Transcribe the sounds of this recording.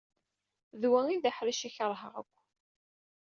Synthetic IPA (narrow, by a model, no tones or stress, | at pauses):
ðwæiðaħɾiʃiçəɾˤɦəʁə̰kʷː